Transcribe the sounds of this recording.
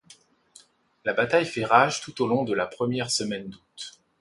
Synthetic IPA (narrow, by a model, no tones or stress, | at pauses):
labat̪ajfɛʁaʒt̪ut̪olɔ̃d̪əlapχəmjɛʁsəmɛnd̪ut̪